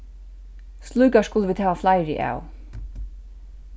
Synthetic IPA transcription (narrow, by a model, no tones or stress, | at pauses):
slˠuːkaskʊləʋiːd̪hæːʋaflajɾɪ̰ʔa̰ːw